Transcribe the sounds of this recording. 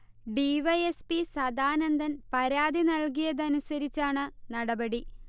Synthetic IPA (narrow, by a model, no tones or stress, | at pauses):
ɖiʋɐjespisɐd̪aːnɐnd̪ɐnpɐɾaːd̪inɐɭk̬ijɐðɐnusɐɾit͡ɕːaːɳɨnɐɽɐbɐɽi